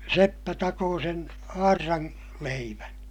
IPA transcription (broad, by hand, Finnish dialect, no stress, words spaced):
sepːæ tɑkoː sen ɑːrːɑŋ leiʋæn